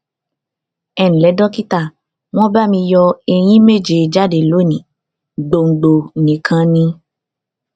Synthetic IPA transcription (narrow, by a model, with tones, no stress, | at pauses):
ɛ˦˨nĩ˨lɛ˨˦dɔ˦ki˦ta˦˨ | w̃ɔ̃˦ba˦˨mĩ˧jɔ˧e˧j̃ĩ˦me˦˨d͡ʒe˨˧d͡ʒa˦de˨lo˨˦nĩ˨˦ | ɡ͡bo˧ŋ̩˨ɡ͡bo˧˨nĩ˨˦kʰã˦nĩ˧